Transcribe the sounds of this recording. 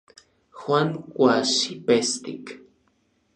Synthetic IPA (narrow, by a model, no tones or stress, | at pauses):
xwaŋkʷaʃipest̪ḭk